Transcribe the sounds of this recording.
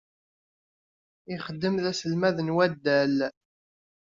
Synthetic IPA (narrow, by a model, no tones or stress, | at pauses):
ɪχəd̪ːəmðæsəlmæðənwæd̪ːæl